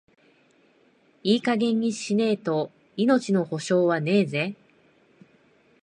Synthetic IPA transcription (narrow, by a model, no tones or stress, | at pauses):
iːkaɡẽ̞ɲ̟ʲːiɕine̞ːt̪o̞ | ino̞t͡ɕino̞ho̞ɕo̞ːβane̞ːze̞